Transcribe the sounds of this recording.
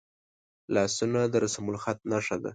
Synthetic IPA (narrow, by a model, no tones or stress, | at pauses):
lɑsunad̪əɾasamulxat̪̚naʂad̪a̰